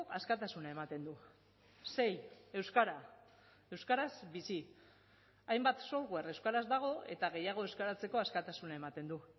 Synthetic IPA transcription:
askat̪asunae̞mat̪e̞nd̪u | se̞je̞wskaɾa | e̞wskaɾasbisi | ajmbat̪so̞ɾɣwere̞wskaɾazd̪aɣ̞o̞e̞̰t̪aɣ̞e̞jaɣ̞o̞e̞wskaɾat͡se̞ko̞askat̪asunae̞mat̪e̞nd̪u

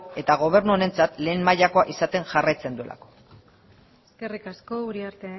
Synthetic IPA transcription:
e̞t̪aɣ̞o̞β̞e̞ɾnuone̞nt͡sat̪le̞ːnmajʎako̞aʔisat̪e̞ŋʝarajt͡se̞nd̪ue̞la̰ko̞̥ | eske̞rikasko̞uɾiaɾt̪e

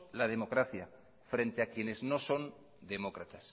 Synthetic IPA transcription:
lað̞e̞mo̞kɾaθja | fɾẽ̞nt̪eakje̞ne̞zno̞so̞n | d̪e̞mo̞kɾat̪as

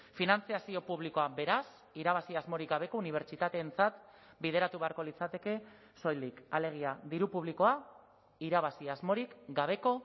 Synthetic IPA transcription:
finant͡siasio̞puβ̞liko̞abe̞ɾas | iɾaβ̞asiazmo̞ɾik̚ɡaβe̞ko̞uniβ̞e̞ɾt͡ʃit̪at̪e̞ːnt͡sat̪ | bið̞e̞ɾat̪uβe̞aɾko̞lit͡sat̪e̞ke̞ | so̞jlikale̞ɣ̞iaðiɾupuβ̞liko̞a | iɾaβ̞asiazmo̞ɾikɡaβ̞e̞ko̞

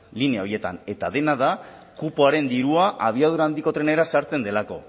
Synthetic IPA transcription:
lineao̞je̞t̪a̰ne̞t̪að̞e̞naða | kupo̞aɾe̞nd̪iɾuaʔaβ̞iað̞uɾaːnd̪iko̞t̪ɾe̞ne̞ɾasaɾt͡se̞nd̪e̞lako̞

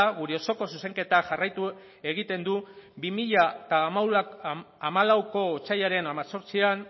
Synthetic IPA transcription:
ɣuɾe̞o̞so̞ko̞suse̞ŋke̞t̪axarajt̪u | e̞ɣit̪e̞nd̪ubimiʎat̪amaw | amalawko̞ːt͡sajaɾe̞namaso̞ɾt͡sian

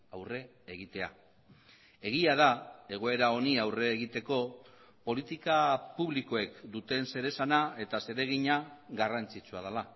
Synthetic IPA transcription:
awre̞ː | ɣ̞it̪e̞a̰ | e̞ɣ̞iað̞ae̞ɣ̞o̞e̞ɾao̞niawre̞ːɣit̪e̞ko̞ | po̞lit̪ikapuβliko̞e̞kd̪ut̪e̞nse̞ɾe̞sanae̞t̪ase̞ɾe̞ɣiɲaɣarant͡sit͡suað̞ala

